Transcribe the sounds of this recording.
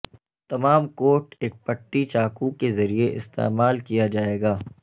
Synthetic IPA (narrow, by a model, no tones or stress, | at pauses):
t̪ɐmaːmkoːʈeːk̚pɐʈːit͡ʃaːkukezɐɾieʔɪ̰st̪ḛːmaːlkijad͡ʒaːeːɡaː